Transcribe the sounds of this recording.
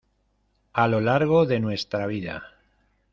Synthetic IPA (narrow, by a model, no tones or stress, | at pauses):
alo̞laɾɣ̞o̞ðe̞nwe̞st̪ɾaβ̞iða̰